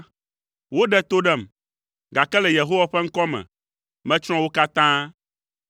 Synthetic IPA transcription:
wo˦ɖɛ˦t̪o˦ɖɛ˦m | ɡa˨kɛ˦lɛ˨je˨ɦo˦wa˨ɸɛ˦ŋ̩˦kɔ˦mɛ̰̃˨ | mɛ̃˦t͡ʃɾ̃ɔ̃˦wo˦ka˦t̪ã˦

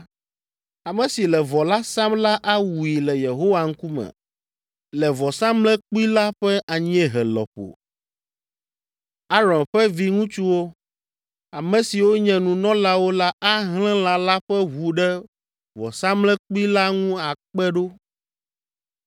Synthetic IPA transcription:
a˨mɛ̃˨si˨lɛ˨vɔ˨la˦sã˦mla˦ʔa˦wu˨i˨lɛ˨je˨ɦo˦wa˨ŋ̩˦ku˦mɛ̰˨ | lɛ˨vɔ˨sã˦mlɛ̃˦k͡pu˦i˦la˦ɸɛ˦ʔa˨ɲ˦ɛ˦ɦɛ˨lɔ̰˨ɸo̰˨ | a˦ɾɔ̃˨nɸɛ˦vi˦ŋũ˦t͡ʃu˦wo˦ | a˨mɛ̃˨si˨wo˦ɲɛ̃˨nũ˨nɔ̃˦la˦wo˦la˦ʔa˦ɦlɛ̃˦l̃ã˨la˦ɸɛ˦ɦu˨ɖɛ˦ | vɔ̰˨sã˦mlɛ̃˦k͡pu˦i˦la˦ŋũ˦a˨k͡pɛ˦ɖo˦

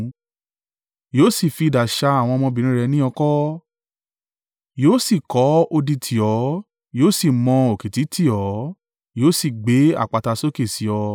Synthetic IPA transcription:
joː˦si˦˨fi˧˨da˨ʃa˧a˨w̃ɔ̃˧mɔ̃˧bĩ˨ɾ̃ĩ˦ɾɛ˧nĩ˦ɔ˧kɔ˦ | joː˦si˦˨kɔ˨˦o˧di˧tʰi˨ɔ˨˦ | joː˦si˦˨mɔ̃˧o˨ke˨ti˨˦tʰi˦˨ɔ˨˦ | joː˨˦si˦˨ɡ͡be˨˦a̰˦˨k͡pa˨ta˧so˦ke˦˨si˨˦ɔ˧

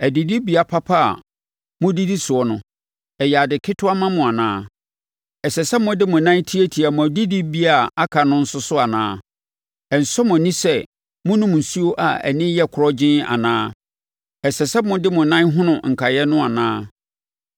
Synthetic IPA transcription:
æ˨di˨di˦bi˨a˨pʰa˦pʰa˦a̰˨ | mʊ̃˦di˦di˦sʊ˨ɔ˦nʊ̃˦ | ɛ˨jɛ˨a˨dɪ˨kʰɪ˦tʰʊ˦a˦mã˦mʊ̃˨a˨nãː˦ | ɛ˨sɛ˨sɛ˦mʊ̃˦dɪ˦mʊ̃˨nã˦n˦tʰi˦e˦tʰi˨a˨mʊ̃˨di˦di˦bi˦a˨a˦kʰa˨nʊ̃˦n̩˦sʊ˦sʊ˦a˨nã̰ː˦ | ɛ˨n̩˨sɔ˦mʊ̃˨nĩ˦sɛ˦ | mʊ̃˦nʊ̃˦m˨n̩˨su˦o˦ʔa˨ɛ̰˨nɪ̃˦jɛ˦kʰʊ˨ɾɔ˦d͡ʑɪ̃˦na̰˨nãː˦ | ɛ˨sɛ˨sɛ˦mʊ̃˦dɪ˦mʊ̃˨nã˦nɦʊ̃˦nʊ̃˨ŋ̩˨kʰa˨jɛ˦nʊ̃˦a˨nãː˦

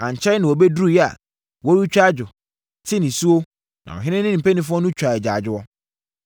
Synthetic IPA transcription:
ã˨ɲ˨t͡ɕʰɛ˦nɪ̃˨wɔ˨be˦du˦u˦˨jɛ˦a̰˨ | wɔ˦ɾu˦t͡ɕᶣa˦d͡ʑʊ˨ | tʰɪ˦nɪ̃˨su˦o˦ | nã̰˨ɔ˨ɦɪ̃˦nɪ̃˦nɪ̃˦nĩ˨pe˦nĩ˦fʊ˦ɔ˦nũ˦t͡ɕʰᶣa˨ɛ˨d͡ʑa˨d͡ʑᶣɪ˦ɔ˦

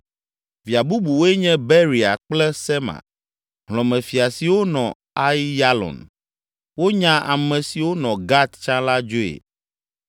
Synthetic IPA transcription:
vi˨a˨bu˦bu˨wo˦e˦ɲɛ̃˦bɛ˦ɾi˨a̰˨k͡plɛ˦sɛ˦ma̰˨ | ɦlɔ̃˨mɛ̃˨fi˨a˨si˨wo˦nɔ̰̃˨ | a˦ji˦ja˦lɔ̰˨n | wo˦ɲã˦ʔa̰˨mɛ̃˨si˨wo˦nɔ̃˨ɡa˦t̪t͡ʃã˦la˦d͡ʒo˦ḛ˨

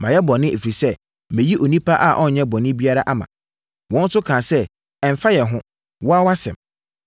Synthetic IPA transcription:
mã˨jɛ˦bɔ˨nːɪ̃˦ʔe˨fɾi˨sɛ˦ | mẽ˨ji˦ʔo˨nĩ˦pʰa˦ʔa˦˨ʔɔ˦ɲ˨ɲɛ̃˦bɔ˨nɪ̃˦bi˦a˦ɾa˦ʔa˦mã̰˨ | wɔ̃˦n˦sʊ˦kʰãː˨sɛ˦ | ɛ˨m̩˨fa˦jɛ˨ɦʊ̃˦ | wɔ˦a˦wa˦sɛ̰̃˨m

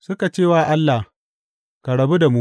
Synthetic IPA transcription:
sʊ˦ka˨t͡ʃeː˦waː˨ʔa˦lːa˨h | ka˨ɽɐ˨bu˦da˨mu˦

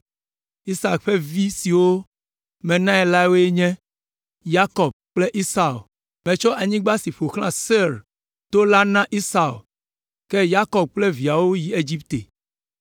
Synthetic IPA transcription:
i˦sa˨kɸe˦vi˦si˨wo˦ | mɛ̃˨nã˦ɛ˨la˦wo˦e˦ɲɛ̃˦ | ja˦kɔ˨b̚k͡ple˦ʔi˦sa˨o˨ | mɛ̃˨t͡ʃɔ˦ʔa˨ɲĩ˦ɡ͡ba˦si˨ɸo˨xlã˦˨se˦ɾ | t̪o˦la˦nã˦ʔi˦sa˨ṵ˨ | kɛ˦ja˦kɔ˨b̚k͡ple˦vi˨a˨wo˦ji˦e˦d͡ʑi˦p̚t̪e˨

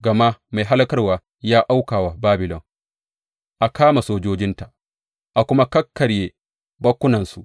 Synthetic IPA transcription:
ɡɐ˨ma˦ma˨jɦa˦lɐ˦kɐ˦rwaː˨ | jaː˦ʔa˦wkaː˨wa˨baː˦bɪ˨lɔ˨ŋ | ʔa˨kaː˦ma˨soː˦d͡ʒoː˦d͡ʒɪ˦nta˨ | ʔa˨kʷʊ˦ma˦kɐ˦kːɐ˨ɽjeː˨ | bɐ˦kʷːʊ˦nɐ˨nsu˨ʔ

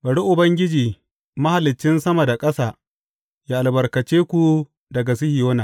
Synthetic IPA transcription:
bɐ˨ɽu˦ʔʊ˨bɐ˦ŋɡʲɪ˦d͡ʒiː˨ | ma˦ha˨lɪ˨t͡ʃːɪ˦nsɐ˦mɐ˨da˨kʼɐ˦saː˨ | jaː˦˨ʔa˨lbɐ˨rkɐ˨t͡ʃeː˦kʷu˨ | dɐ˨ɡa˨s̬i˦hɪ˨joː˦naː˨

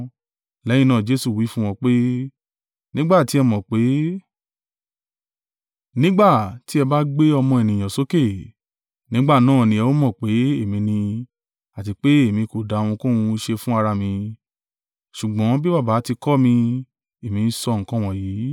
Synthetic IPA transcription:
lɛ˨˦ĩ˦˧nãː˦˨d͡ʒe˦su˦˨wi˨˦fũ˦w̃ɔ̃˧k͡pe˦ | nĩ˦ɡ͡ba˦˨ti˦ɛ˧mɔ̃˨k͡pe˨˦ | nĩ˦ɡ͡ba˦˨ti˦ɛ˧ba˦ɡ͡be˦ɔ˧mɔ̃˧e˨nĩ˨j̃ã˨so˨˦ke˦˨ | nĩ˨˦ɡ͡ba˦˨nãː˦˨nĩ˧ɛ˧wo˦mɔ̃˦˨k͡pe˨˦e˦˨mĩ˧nĩ˧ | a˨ti˧k͡pe˦e˦˨mĩ˧ko˨da˨˧w̃ũ˧ko˦ũ˧˦ʃe˧fũ˦a˧ɾa˧mĩ˧ | ʃu˨ɡ͡bɔ̃˨˦bi˦ba˦˨baː˨˦ti˧kɔ˦mĩ˧ | e˨mĩ˨˧n̩˧sɔ˧˨ŋ̩˦kɔ̃˦w̃ɔ̃˦˨jiː˨˦

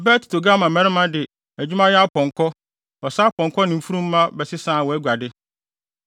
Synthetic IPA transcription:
ɛ˨bæː˦tʰi̥˨tʰo˨ɡã˦mã˨mɛ̃˦ɾɪ˦mã˦dɪ˨ | æ˨d͡ʑᶣu˦mã˦jɛ˦a˦pʰɔ̃˨ŋkʰɔ˦ | ɔ˨sa˦pʰɔ̃˨ŋ˨kʰɔ˦nɪ̃˨m̩˦˨fu˦ɾũ˦m̩ː˦ã˦bɛ˨sɪ˦sãː˦˨wɔ˨æ˦ɡʷa˨dɪ˦

